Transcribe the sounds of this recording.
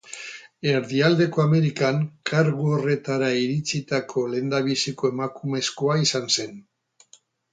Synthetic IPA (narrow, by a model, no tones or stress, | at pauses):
e̞ɾðiald̪e̞ko̞ame̞ɾikaŋkʰaɾɣuore̞t̪aɾaiɾit͡sit̪akʰo̞le̞nd̪aβ̞isiko̞e̞makume̞sko̞aisanse̞n